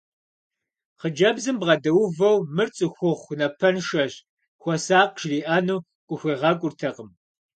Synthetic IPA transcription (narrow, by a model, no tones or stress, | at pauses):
qəd͡ʒɐbzɨmbʁɐdɐwʊvɐwmɨrt͡sʼɨxʷʊχʷnɐpʰɐnʃɐʑ | xʷɔsaːqʃriːʔɐnuː | kʷʼʊxʷeːʁɑkʷʼʊrtʰɐqʼəm